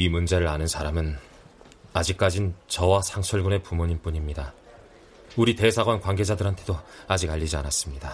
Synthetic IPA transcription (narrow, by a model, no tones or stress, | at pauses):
imund͡ʑe̞ɾɯɾanɯnsʰaɾamɯn | ad͡ʑik̚k͈ad͡ʑint͡ɕʌwasʰaŋt͡ɕʰʌɭɡune̞pumuɲinp͈uɲimɲida | uɾite̞sʰaɡwankwaŋɡe̞d͡ʑadɯɾɦantʰe̞doad͡ʑiɡaʎːid͡ʑianas͈ɯmɲida